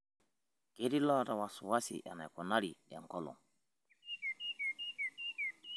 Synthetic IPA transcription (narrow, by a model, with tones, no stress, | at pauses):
ɡ̥e˦ɾi˦la˦ɾa˨wasuwasḭʔa̰˨na̰˨jkɔnaɾiɗɛ̰˨ŋkɔlɔ̰˨ŋ